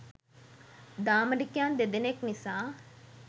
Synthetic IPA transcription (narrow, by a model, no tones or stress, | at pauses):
d̪aːməɽɪkjãːnd̪ed̪ɪneknɪsaː